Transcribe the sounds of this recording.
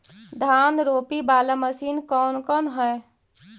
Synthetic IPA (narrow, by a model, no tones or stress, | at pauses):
d̪ʱaːnɾoːpibaːləməsiːnkɔːnkɔːnɦɛe